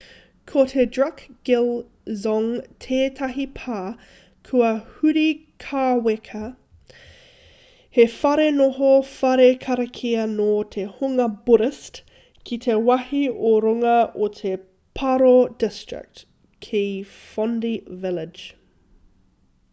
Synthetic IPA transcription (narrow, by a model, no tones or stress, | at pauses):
kʰot̪ʰedɹɐkɡ̥ɪl | zɔŋtʰeːtʰɐɦipʰaː | kʰuɐhʉɾikʰaːwekʰɐ | hefɐɾenoɦofɐɾekʰɐɾɐkʰiɐnot̪ʰehuŋɐbuɾɪst | kʰit̪ʰewɐhioɾoŋɐʔotʰe | pʰɐɾodɪstɹ̥ɪ̰k̚t | kʰi | fɔndivɪlɪd͡ʒ